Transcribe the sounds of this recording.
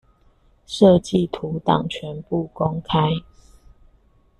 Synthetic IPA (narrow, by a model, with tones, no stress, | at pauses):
ʂɤ˥˨t͡ɕi˥˨t̪ʰu˨˦t̪ɑ˨˩ŋt͡ɕʰɥɛ˨˦npu˥˨ko˦ŋkʰa˦ɪ